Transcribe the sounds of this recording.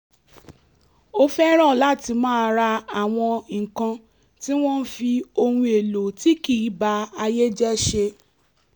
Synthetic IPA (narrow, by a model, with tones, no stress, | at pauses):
o˦fɛ˦ɾ̃ɔ̃˦˨la˦˨ti˧mãː˦˧ɾa˧a˨w̃ɔ̃˧ŋ̩˨kã˧ | ti˦w̃ɔ̃˦n̩˦fi˧o˧hũ˧e˨lo˨ti˦ki˦˨˦ba˧a˧je˦d͡ʒɛ˦ʃe˧